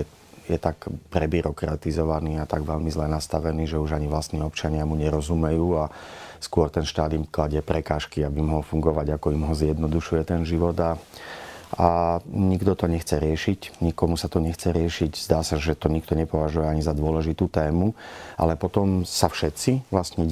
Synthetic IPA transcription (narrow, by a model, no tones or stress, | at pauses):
ɛ | jɛt̪akpɾɛbiɾɔkɾat̪izɔʋaniːat̪aɡʋɛʎmizlɛnast̪aʋɛniːʒɛuʒaɲiʋlast̪niːɔpt͡ʃaɲɪamuɲɛɾɔzumɛjuːaskʊɔɾt̪ɛnʃt̪aːd̪iːmklaɟɛpɾɛkaːʃkiabimɔɦɔlfuŋɡɔʋaɟakɔimɦɔzjɛd̪nɔd̪uʃujɛt̪ɛnʒiʋɔd̪a | aɲiɡd̪ɔt̪ɔɲɛxt͡sɛɾɪɛʃicɲikɔmusat̪ɔɲɛxt͡sɛɾɪɛʃiɟz̥d̪aːsaʒɛt̪ɔɲikt̪ɔɲɛpɔʋaʒujɛaɲizad̪ʊɔlɛʒit̪uːt̪ɛːmuʔa̰lɛpɔt̪ɔmsafʃɛt̪t͡siʋlast̪ɲɛ